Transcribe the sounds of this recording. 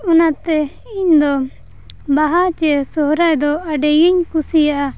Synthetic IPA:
unat̪ɛ | iɲd̪ɔ | baɦat͡ʃɛsɔɦɾajd̪ɔaɖɛjiɲkusijaʔa

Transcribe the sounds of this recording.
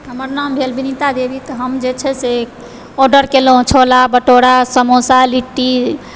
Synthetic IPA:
ɦəməɾnambʱelbʱinit̪ad̪ebʱit̪ɔɦəmd͡ʒet͡ʃʰɛse | ɔɾɖəɾkeloõt͡ʃʰolabəʈoɽasəmosaliʈːi

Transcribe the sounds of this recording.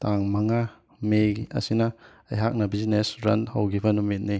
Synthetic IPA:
taŋmaŋa | meɡiɐ̰sinɐ | ɐ̰jɦak̚nɐbizinesɾɐ̰nhɐwɡibɐnumit̚ni

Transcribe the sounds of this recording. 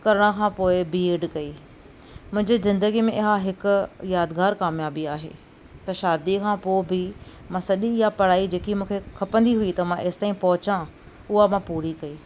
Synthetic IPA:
kɐɾɽ̃əkʰãːpoːɪbieːɖkɐiː | mʊ̃ɦɪ̃ɲd͡ʑizɪ̃nd̪əɡimẽʔɪɦaɦɪkʊjaːd̪ɡaːɾkaːmjaːbiaːɦḛː | t̪ɐʃaːd̪ikʰãːpoːɪbɪ | mãsɐɗijapɐɽaːid͡ʑeːkimũːkʰekʰɐpə̃nd̪iɦʊit̪ɐmãʔeːsɪ̥t̪aːĩpɐɦʊt͡ɕã | ʊɦamãpuːɾikɐiː

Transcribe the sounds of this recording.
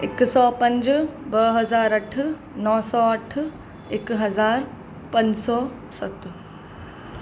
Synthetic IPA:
ɪksɔːpɐ̃ɲd͡ʒbəɦɐzaːɾɐʈʰ | nɔːsɔːɐʈʰ | ekɦɐzaːɾ | pɐ̃ɲd͡ʒsɔː | sɐt̪

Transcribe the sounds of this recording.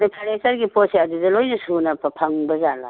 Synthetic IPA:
ɾipʰanesɐɾɡipotseɐdudɐlojnɐsunɐpʰɐpʰaŋbɐzala̰

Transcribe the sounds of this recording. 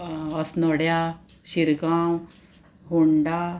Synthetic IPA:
əsnəɽja | ɕiɾɡaw | ɦuɳɖa

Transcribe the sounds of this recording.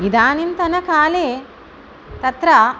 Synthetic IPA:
ɡid̪aːnint̪ɐnɐkaːleː | t̪ɐt̪ɾɐ

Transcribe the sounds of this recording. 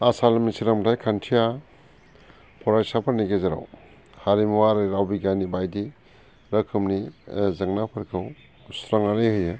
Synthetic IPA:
asalmisiɾamtʰajkʰantʰija | pʰɔɾajsapʰɐɾniɡezeɾa̰w | haɾimwaɾɯɾawbiɡanibajdi | ɾɐkʰɯmnizɐŋnapʰɯɾkʰɯw | sɾaŋaɾejhɯjɯ

